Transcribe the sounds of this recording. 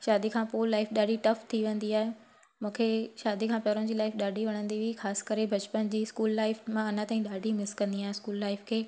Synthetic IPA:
ʃaːd̪ikʰãːpolaːɪfɗaːɖʱiʈɐft̪ʰiʋẽnd̪iaːɦe | mũːkʰeʃaːd̪ikʰãːpɐɾõn̆d͡ʑiːlaːɪfɗaːɖʱiʋɐɽ̃ə̃nd̪iʋixaːsɪ̥kəɾebʱɐt͡ɕpənd͡ʑiːskuːlːaːɪfmãɐnãt̪aːĩɗaːɖʱimɪskɐ̃nd̪iaːɦẽskuːlːaːɪfkʰeː

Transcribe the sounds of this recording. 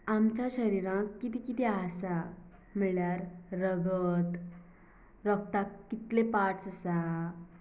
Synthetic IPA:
amt͡ɕaɕəɾiɾãkːit̪ikit̪iasa | m̤iɭjaɾːəɡət̪ | ɾɔkt̪akkːit̪lepaʈsəsa

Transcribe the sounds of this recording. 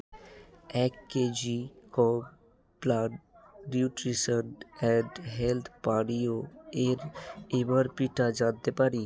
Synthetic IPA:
ɛːkːeːd͡ʒikɔ | plaɖɾjuːʈɾisəɾɖɛɖɦelt̪ʰpaːɽioeːɾeʋəɾpiʈad͡ʒaːd̪epaɾi

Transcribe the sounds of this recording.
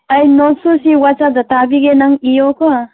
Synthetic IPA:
ajnɔsusiwat͡ʃad̪atabiɡenaŋijɔkʰɔ

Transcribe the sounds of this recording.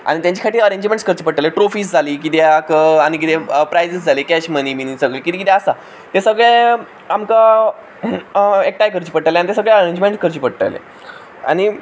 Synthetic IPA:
a̰ɽ̃it̪jaɲt͡ɕi̥kʰaʈiːɾəɾeɲd͡ʑmẽɳʈskəɾt͡ɕiːpəɽʈːaleʈɾofiːsd͡zʱaliːk̬it̪eakaɽ̃ik̬it̪epɾajd͡zəsd͡zʱalekɛɕməniminiːsəɡɭeːkit̪iekit̪eəsa | t̪esəɡɭe | amka | ek̚ʈajkəɾt͡ɕiːpəɽʈaleanit̪esəɡɭeəɾeɲd͡ʑmẽɳʈskəɾt͡ɕiːpəɽʈa̰jlḛ | a̰ñi

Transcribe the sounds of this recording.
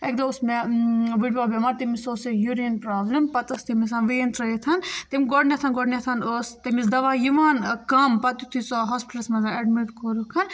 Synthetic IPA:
ek̚d̪ɐusmeʋiɖbaːbemɐɾt̪imisoːsɐljuɾiɐnpɾaːblɐmpɐt̪ɐst̪imisãːnʋeːnt̪ɾɐit̪ʰɐnt̪imiɡɔɖnʲet̪ʰɐnɡɔɖnʲet̪ʰɐnost̪imisd̪ɐʋaːjiʋaːnkɐmpɐt̪ut̪ʰit͡soːɦɔːspi̥ʈɐlsmɐzaɐɖmiʈkoɾukʰɐn

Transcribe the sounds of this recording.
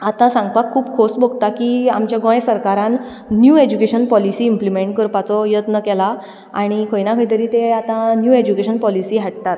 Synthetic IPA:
at̪ãsãŋɡ̚pakʰːuːbkʰosboɡt̪akiamt͡ɕjaɡɔ̃jsəɾkaɾãnː | jued͡ʑukeɕənpɔlisiːmplimeɳʈ̚kəɾpat͡sɔjət̪nəkɛla | aɽ̃ikʰəjnakʰəjt̪əɾiːt̪eat̪ãnjued͡ʑukeɕənpɔlisiːɦaʈ̚t̪at̪

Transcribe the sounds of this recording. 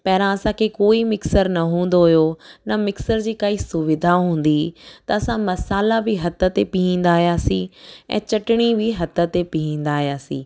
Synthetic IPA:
pɐɦɪɾãɐsãkʰekoːimɪksəɾnɐɦũːn̆d̪oɦʊjonɐmɪksəɾd͡ʑiːkaːisʊʋɪd̪ʱaɦũːn̆d̪it̪ɐɐsãmɐsaːlabɪɦɐt̪ə̆t̪epiɦĩːn̆d̪aːɦijaːsĩɛ̰̃ːt͡ɕɐʈɪɽ̃ibɪɦɐt̪ə̆t̪epiɦĩːn̆d̪aːɦijaːsĩː

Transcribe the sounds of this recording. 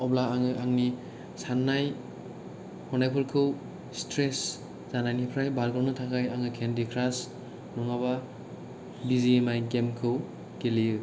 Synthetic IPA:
ɔblaaŋɯʔaŋni | sanːaj | hʰɔnajpʰɯlkʰɯw | stɾes | z̥anajnipʰɾajbalɡɾawnɯtʰakʰajaŋɯkʰendikʰɾas | nɔŋaβa | biziemajɡemkʰɯw | kelijɯ

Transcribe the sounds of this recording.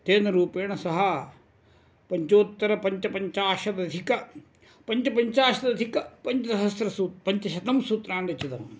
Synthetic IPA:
t̪eːnɐɾuːpeːɳɐsɐɦɐ | pɐɲt͡ʃoːt̪ːɐɾɐpɐɲt͡ʃɐpɐɲt͡ʃaːʃɐd̪ɐd̪ʱikɐ | pɐɲt͡ʃɐpɐɲt͡ʃaːʃɐd̪ɐd̪ʱikɐpɐɲt͡ʃɐt̪ɐɦɐst̪ɾɐsuːpɐɲt͡ʃɐʃɐt̪ɐmsuːt̪ɾaːɳɖɐt͡ʃːit̪ɐm

